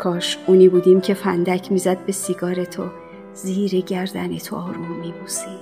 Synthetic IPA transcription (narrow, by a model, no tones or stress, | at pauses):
kʰɒːʃuːniːbuːd̪iːmcʰe̞fænd̪æcʰmiːzæd̪̚be̞siɡɒːɾet̪ʰo | ziːɾeɟæɾd̪ænet̪ʰoɒːɾmunmibuːsi